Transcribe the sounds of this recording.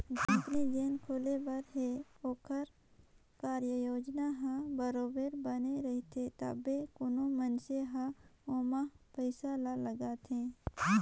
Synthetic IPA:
d͡ʒəp̪nid͡ʒeːnkʰoːlebəɾɦeoːkʰəɾ | kaːɾjəjoːd͡ʒnaɦãbəɾoːbeɾbəneɾɐɦit̪ʰet̪a̰bekʊnõmənseɦãoːmapəɪsalaləɡaːt̪ʰẽː

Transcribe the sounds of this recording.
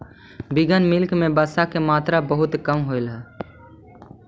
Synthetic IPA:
biɡənmɪlkmebəsakemaːt̪ɾabəɦʊt̪kəmɦoɪlɦɛː

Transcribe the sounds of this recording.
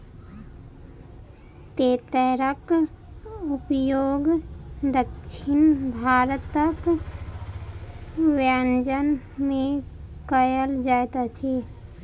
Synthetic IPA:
t̪et̪əɾək | upjoːɡd̪əkʃʰinbʱaɾət̪ək | ʋand͡ʒən | mẽ | kəjəld͡ʒaet̪at͡ʃʰi

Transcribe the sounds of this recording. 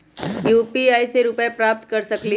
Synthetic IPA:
juːpiaːiseɾʊpɛepɾaːp̚t̪kɐɾsɐkli

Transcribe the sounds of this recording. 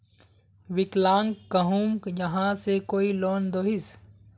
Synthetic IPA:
ʋɪklaːŋɡkɐɦumkjɐɦãsekoːiloːnd̪oːɦɪs

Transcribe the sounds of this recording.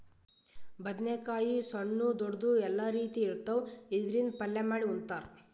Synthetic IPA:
bɐd̪nekaːjisɐɳːud̪ɔɽd̪uɛlːaɾiːt̪iːɾt̪ːɐwid̪ɾind̪pɐlːemaːɽiunt̪aːɾ

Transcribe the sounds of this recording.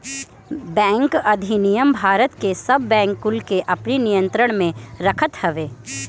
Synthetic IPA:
bɛ̃ːŋkɐd̪ʱinijəmbʱaːɾət̪kesɐbːɛ̃ːŋkːʊlkeʔɐpninijə̃nt̪ɾəɽ̃mẽɾəkʰət̪həʋeː

